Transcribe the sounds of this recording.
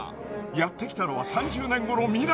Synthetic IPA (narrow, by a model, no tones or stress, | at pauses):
jat̪ːe̞kʲi̥t̪ano̞βasãɲd͡ʑɨːnẽ̞ŋɡo̞ɾo̞mʲiɾa